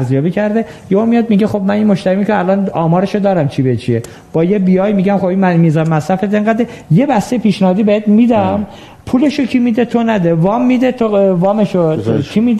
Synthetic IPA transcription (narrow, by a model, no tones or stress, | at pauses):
ɾzijɒːbiːcʰæɾd̪e̞ | jeomijɒːd̪miɟexo̞bmæninmoʃt̪æɾimicʰeælɒːnɒːmɒːɾeʃod̪ɒːɾæmt͡ʃʰibet͡ʃʰie | b̥ɒːjebijɒːjmiɟæmxobinmiːzɒːɾmæsɾæfet̪eŋɡæd̪e | je̞bæst̪ejepʰiːʃnæhɒːd̪ibeet̪miːd̪æm | pʰuːle̞ʃocʰimiːd̪et̪ʰonæd̪evɒːmːid̪et̪ʰovɒːmeʃokʰimid̪